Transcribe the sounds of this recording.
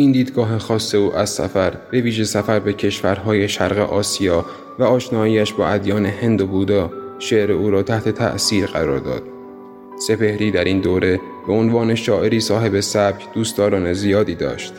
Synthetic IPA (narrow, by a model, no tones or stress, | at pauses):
ʔind̪iːd̪ɡɒːɦe̞xɒːsːe̞uːʔæz̥sæ̰fæɾb̥e̞viːʒe̞sæfæɾbe̞cʰe̞ʃvæɾɦɒːje̞ʃæɾɣe̞̰ʔɒːsijɒː | væɒːʃnɒːiːæʃbɒːʔæd̪jɒːne̞he̞nd̪obuːd̪ɒːʃeʔɾeuːɾɒːt̪ʰæht̪ʰe̞t̪ʰæ̰ʔsiːɾɢæɾɒ̰ːɾd̪ɒ̰ːd̪̥̚ | se̞pe̞hɾiːd̪æɾind̪oːɾe̞ | b̥eonvɒːne̞ʃɒːʔe̞ɾiːsɒːɦe̞be̞sæbjd̪uːst̪ɒːɾɒːne̞zijɒːd̪iːd̪ɒ̰ːʃt̪